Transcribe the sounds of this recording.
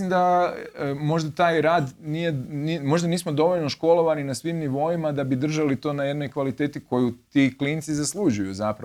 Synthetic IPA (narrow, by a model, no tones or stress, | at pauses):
imd̪a | mo̞ʒd̪at̪aːjɾaːd̪nijenimo̞ʒd̪aniːsmo̞d̪o̞ʋo̞ʎno̞ʃko̞lˠo̞ʋaninasʋimniʋo̞imad̪abid̪r̩ʒalit̪o̞ːnaje̞d̪no̞jkʋalit̪eːt̪iko̞jut̪iklint̪sizaslˠud͡ʒujṵzapɾ